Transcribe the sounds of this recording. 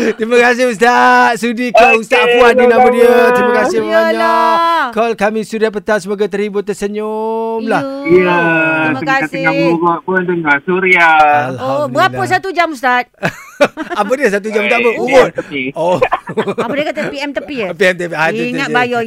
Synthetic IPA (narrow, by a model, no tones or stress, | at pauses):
t̪ɾiməkas̬ɪhus̬t̪aʔaʔ̪̚sudikɔlust̪aʔpuadinabədiət̪ɾiməkasɪhaɲaakɔlkamĩsuɾiap̬ət̪asəmoɡat̪əɾibʊt̪ːəsəɲʊmlahjəiməəkaəŋauɾɔʔpuand̪əŋasuɾiaalabɾapəs̬at̪ud͡ʒamust̪at̪̚ | apədiəs̬at̪̬ud͡ʒamust̪aʔbəumʊnio | apədiəkat̪əpiɛmt̪əpipiɛmt̪̬əpiɦaiŋatbajɔ